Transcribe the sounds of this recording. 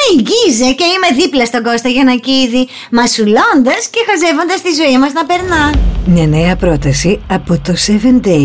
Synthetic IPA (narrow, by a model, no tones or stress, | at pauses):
iʝizece̞ime̞ðiplɐst̪o̞ɡo̞st̪ɐʝɐnɐciði | mɐsulo̞nd̪ɐsce̞xɐze̞vo̞nd̪ɐst̪izo̞imɐznɐpe̞ɾnɐmɲɐneɐpɾo̞t̪ɐsiɐpot̪osevend̪ej